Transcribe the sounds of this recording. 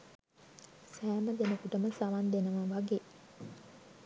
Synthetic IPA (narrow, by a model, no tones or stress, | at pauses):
sæːməd̪enəkuʈəməsaʋand̪enəʋəʋaɡeː